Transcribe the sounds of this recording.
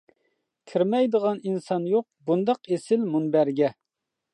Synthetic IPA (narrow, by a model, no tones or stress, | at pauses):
kʲʰiɾmɛjd̪əʁɑninsɑnjoq̚bund̪ɑqesɪlmunbæɾɡʲɛ